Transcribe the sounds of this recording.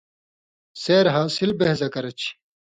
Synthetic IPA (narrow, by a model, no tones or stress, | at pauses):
seːɾɦaːsilbehzɐkɐɾɐt͡ɕʰi̥